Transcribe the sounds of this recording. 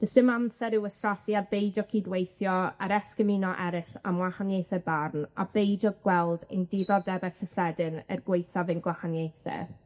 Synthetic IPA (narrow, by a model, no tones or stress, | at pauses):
d̥əsɨmamsɛɾɪwəstraθjabejdɔkʰiːdwejθjɔaɾɛskəminɔʔɛɾɪɬa̰mwahanjejθɛbarna̰bejdɔɡwɛlˠdḛjndɪðɔdɛbakəsɛdɨnərɡwejθavɨnɡwahanjejθɛ̰